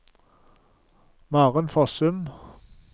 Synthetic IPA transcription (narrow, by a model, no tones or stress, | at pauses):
mɑːʁənfɔsʉm